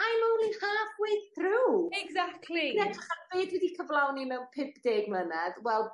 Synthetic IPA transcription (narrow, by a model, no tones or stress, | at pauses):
ajmowlˠiχaːfwejθθruːɛɡzaktʰlinɛtʰraχanbeːdwɛdikʰəvlˠawnimɛwpʰɪpd̥eːɡmlənɛðwɛlˠ